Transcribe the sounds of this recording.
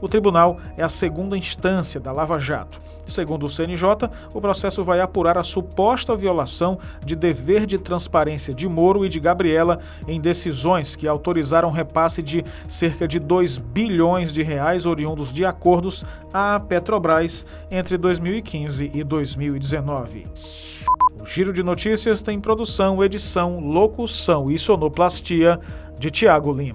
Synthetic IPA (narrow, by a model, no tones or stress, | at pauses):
ʊt̪ɾibunawɛɐseɡũnd̪ɐĩst̪ɐ̃siɐd̪ɐlavaʒa̰t̪ʊ̥ | seɡũnd̪ʊseẽnɪʒɔt̪ɐ | ʊpɾosɛsʊvajapuɾaɾɐsupɔst̪ɐviolasɐ̃w̃ | d͡ʒɪd̪eveɾd͡ʒɪt̪ɾɐ̃spaɾẽsiɐd͡ʒɪmoɾʊɪd͡ʒɪɡabɾiɛlɐ | ẽj̃d̪esizõj̃skɪawt̪oɾizaɾɐ̃w̃ɦepasɪd͡ʒɪ | seɾkɐd͡ʒɪd̪ojzbiʎõj̃zd͡ʒɪɦeajzoɾiũnd̪ʊzd͡ʒɪakoɾd̪ʊs | apet̪ɾobɾajs | ẽnt̪ɾɪd̪ojzmiwikʰĩzɪʔɪd̪ojzmiwid͡ʒɪzenɔvɪ̰ | ʊʒiɾʊd͡ʒɪnot͡ʃisiɐst̪ẽj̃pɾod̪usɐ̃w̃ed͡ʒisɐ̃w̃lokusɐ̃w̃isonoplast͡ʃiɐ | d͡ʒɪt͡ʃiaɡʊlĩmɐ